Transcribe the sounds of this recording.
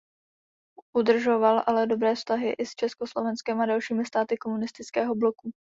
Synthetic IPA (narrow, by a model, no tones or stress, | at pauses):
ʔudr̩ʒo̞valʔalɛdo̞bɾɛːfst̪aɦɪʔɪst͡ʃɛsko̞slo̞vɛnskɛmadalʃiːmɪst̪aːt̪ɪkomunɪst̪ɪt͡skɛːɦo̞blo̞ku